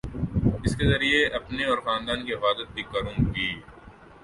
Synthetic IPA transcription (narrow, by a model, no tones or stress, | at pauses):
ɪskezɐɾieʔɐpneɔːɾxaːnd̪aːnkiɪfaːd̪ət̪̚bʱikɐɾũːɡiː